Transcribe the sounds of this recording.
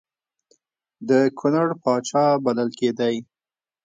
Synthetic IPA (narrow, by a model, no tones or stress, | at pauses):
d̪əkʰʊnaɽpɑt͡ʃɑbalalked̪aj